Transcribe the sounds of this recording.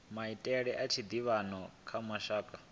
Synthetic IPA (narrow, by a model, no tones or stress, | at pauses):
maitʼɛɺɛʔat͡ʃʰid̪iβanɔkʰamwaʃaːkʼa